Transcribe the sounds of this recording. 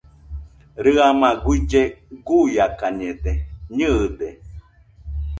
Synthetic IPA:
ɾɨamãɡwid͡ʒeɡujakaɲed̪eɲɨːd̪e

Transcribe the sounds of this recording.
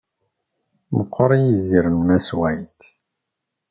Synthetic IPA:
məqʰːəɾˤijiziɾənmæswæjt̪

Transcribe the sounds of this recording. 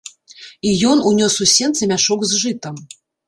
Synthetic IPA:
ijɔnunʲɔsusʲɛnt̪sɐmʲaʂɔɡzʐɨt̪ɐm

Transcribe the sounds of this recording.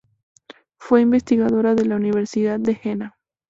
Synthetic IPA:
fwe̞imbe̞st̪iɣaðo̞ɾaðe̞launiβ̞e̞ɾsiðaðːe̞xena

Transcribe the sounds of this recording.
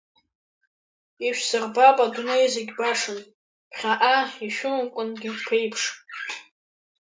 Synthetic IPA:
iʃᶣsɨrbapʼadunejzeɡʲbaʂɨn | pʰχʲaʔaiʃᶣʊmkʷʼʊnɡʲɪpʰejpʰʂʼ

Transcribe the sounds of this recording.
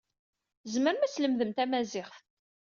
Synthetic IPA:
zməɾmæt͡sːləmðəmt̪æmæzɪχθ

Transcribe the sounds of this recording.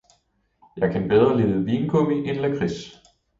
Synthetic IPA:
jɑ̈ɪkʰænb̥eðˠʁɐle̝ð̩ˠʋiːnkʰɔbiʔenlækʰʁis

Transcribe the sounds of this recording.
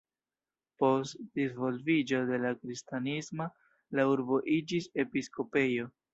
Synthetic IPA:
po̞stdizvo̞lvid͡ʒo̞de̞lakɾistanismo | lauɾbo̞ʔid͡ʒise̞pisko̞pe̞jo̞

